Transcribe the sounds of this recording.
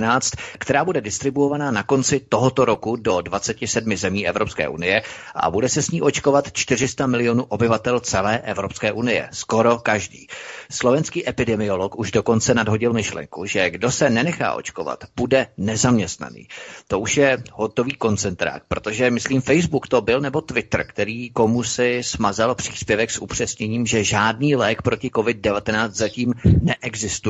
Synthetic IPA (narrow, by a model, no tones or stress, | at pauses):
naːt͡st̪kt̪ɛɾaːbudɛdɪst̪ɾɪbuovanaːnako̞nt͡sɪt̪o̞ɦot̪o̞ɾo̞kudo̞dvat͡sɛcɪsɛdmɪzɛmiːʔɛvɾo̞pskɛ̰ːʔṵnɪjɛʔa̰budɛsɛsɲiːʔo̞t͡ʃko̞vat̪t͡ʃt̪ɪr̝ɪst̪amɪlɪjo̞nuːʔobɪvat̪ɛlt͡sɛlɛːʔɛvɾo̞pskɛːʔunɪjɛ̰sko̞ɾo̞kaʒdḭːslo̞vɛnskiːʔɛpɪdɛmɪo̞lokuʒdo̞ko̞nt͡sɛnadɦo̞ɟɪlmɪʃlɛ̰ŋkuʒɛɡdo̞sɛnɛnɛxa̰ːʔo̞̰t͡ʃkova̰t̪b̥udɛnɛzamɲɛst̪na̰nḭːt̪o̞ʔuʃjɛɦo̞t̪o̞viːko̞nt͡sɛnt̪ɾa̰ːk̚pɾo̞t̪o̞ʒɛmɪsliːmfɛjzbukt̪o̞bɪlnɛbo̞t̪vɪt̪r̩kt̪ɛɾiːko̞musɪsmazalpr̝̥i̥ːspjɛvɛksʔupr̝̥ɛsɲɛɲiːmʒɛʒaːdniːlɛːkpɾo̞cɪko̞vɪd̚dɛvat̪ɛnaːt͡st̪zaciːmnɛʔɛɡzɪst̪u